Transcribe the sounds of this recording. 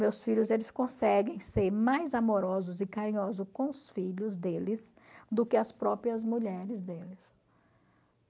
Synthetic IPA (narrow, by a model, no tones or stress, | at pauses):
mewsfiʎʊzelɪskõsɛɡẽj̃seɾmajzamoɾɔzʊzɪkaɾĩɲɔzʊkõʊsfiʎʊzd̪elɪs | d̪ʊkɪɐspɾɔpɾiɐzmuʎɛɾɪzd̪elɪs